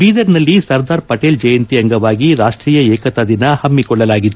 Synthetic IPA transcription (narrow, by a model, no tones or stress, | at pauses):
ɾiːd̪ɐɾnɐlːisɐɾd̪aːɾpɐʈeːld͡ʒɐjɐnt̪ijɐŋɡɐʋaːɡiɾaːʂʈɾiːjɐɛːkɐt̪ɐd̪inɐhɐmːikɔɭːɐlaːɡid̪ːu